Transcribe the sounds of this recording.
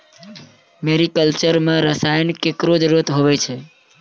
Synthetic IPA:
meɾikəlt͡ʃəɾmeɾəsaɪnkekɾod͡ʒɾot̪ɦoβɛt͡ʃʰɛ

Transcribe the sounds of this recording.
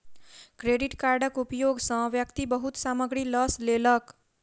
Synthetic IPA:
kɾeːɖɪʈkaːɾɖəkupjoːɡsə̃ʋjəkt̪ibəɦut̪saːməɡɾilɔsleːlək

